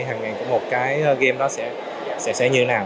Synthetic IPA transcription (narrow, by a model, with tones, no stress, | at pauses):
jɦaː˨˩ŋːa˨˩jkʊ̰˧˥ŋ͡mmo˨˩t̚kaː˨˦jʔəː˧ɣe˧mɗɔ˨˦sɛ̰˧˥ | sɛ̰˧˥sɛ̰˧˥ɲɨ˧˦naː˨˩w